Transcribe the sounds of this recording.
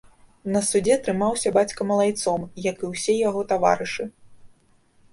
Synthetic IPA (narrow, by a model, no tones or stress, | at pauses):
nɐsud͡zʲɛt̪ɾɨmawsʲɐbat͡sʲkɐmɐlˠajt̪sɔmjɐkɨwsʲɛjaɣɔt̪ava̰ɾɨʂɨ